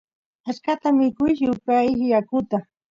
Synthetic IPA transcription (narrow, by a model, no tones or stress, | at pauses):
askat̪amɪkʊjʃʊpajkɪjakʊt̪a